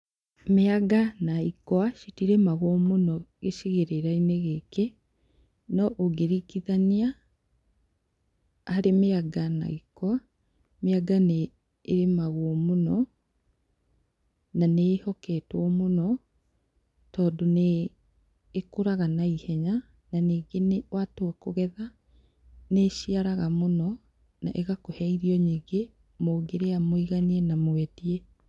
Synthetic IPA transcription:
meaɡanaikwaʃitiɾemaɣwɔmonɔɣeʃiɣeɾeɾaineɣeke | nɔʔoɡeɾikiðania | ɾemeaɡana̰ikwa | meaɡaneː | ɾemaɣwɔmonɔ | nanehɔkɛtwɔmonɔ | tɔːdoneː | koɾaɣanaihɛɲa | naniːɡenewatokoɣɛða | neʃiaɾaɣamonɔ | naʔeɣakohɛiɾiɔɲiɡe | moɡeɾeamoiɣaniɛnamwɛtiɛ

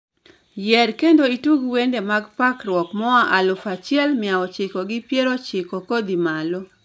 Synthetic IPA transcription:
jɛɾkendoituɡwendemaɡpakɾwɔkmɔaʔalʊfat͡ʃɪɛlmɪawɔt͡ʃɪkɔɡɪpjeɾot͡ʃɪkokod̪imalɔ

